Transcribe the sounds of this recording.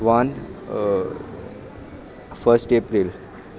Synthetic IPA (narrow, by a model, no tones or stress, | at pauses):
ʋan | fəɾsʈepɾil